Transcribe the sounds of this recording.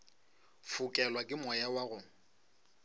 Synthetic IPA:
fukʼɛlwakʼɪmɔjawaɣʊ

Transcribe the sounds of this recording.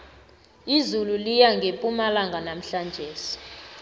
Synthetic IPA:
izululijaŋɡʱepʼumalaŋɡʱanam̩ɬand͡ʒʱeːsi̥

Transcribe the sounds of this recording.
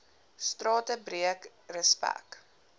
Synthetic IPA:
strɑːtəbriək | rəspæ̰k

